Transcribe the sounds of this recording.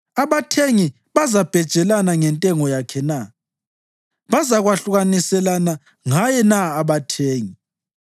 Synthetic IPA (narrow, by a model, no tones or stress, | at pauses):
aβatʰeŋi | βazab̥ʱɛd̥ʒ̥ʱɛlanaŋɛntʼɛŋɔjakʰɛna | βazaɣwaɬuɣanisɛlana | ŋajɛnaːβatʰeːŋi